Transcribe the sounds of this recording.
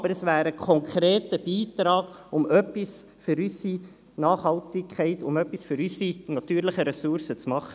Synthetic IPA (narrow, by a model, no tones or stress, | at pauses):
bəɾəsvæːɾəkʰɔŋkʰɾeːtəb̥iːt̪ɾɑːɡ̥ʊmœpːis | fʏɾysi | nɑːχhɑltɪkʰɛɪtʊmœpːisføɾysinɑt̪yːɾləχəɾɛsuɾsət͡smɑχə